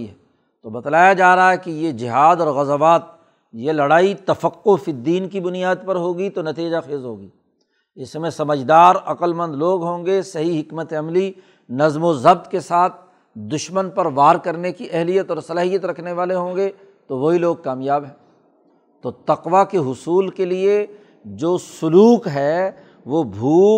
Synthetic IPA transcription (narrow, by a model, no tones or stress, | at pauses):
iɦɛː | t̪obɐt̪laːjad͡ʒaːɾɐɦaɦɛkijed͡ʒɪɦaːd̪ɔːɾɣɐzəʋaːt̪̚ | jelɐɽaːit̪ɐfəqːofid̪iːnkibʊnijaːd̪̚pɐɾɦoːɡit̪onɐt̪iːd͡ʒaxeːzɦoːɡiː | ɪsmẽsɐməd͡ʒd̪aːɾɐqəlmə̃nd̪loːɡɦõːŋɡesɐɦiɦɪkmət̪eɐmli | nɐzmozɐb̚t̪kesaːt̪ʰ | d̪ʊʃmənpɐɾʋaːɾkɐɾnekiʔɛɦlijət̪ɔːɾsɐlaːɦijət̪ɾɐkʰneʋaːleɦõːŋɡe | t̪oʋoɦiloːɡ̚kaːmjaːbɦɛ̃ː | t̪oːt̪ɐqʋakeɦʊsuːlkelie | d͡ʒoːsʊluːkɦɛː | ʋoːbʱuː